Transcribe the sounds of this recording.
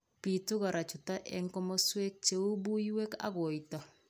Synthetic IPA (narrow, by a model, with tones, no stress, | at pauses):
pi˨tu˦ɣa˨ɾʔa˨t͡ʃu˨ta˦ʔɛ˦ŋkɔ˦mɔ˦swe˦k̚t͡ʃe˦u˦bu˦jwe˦ka̰˦ɣɔ˨jtɔ˨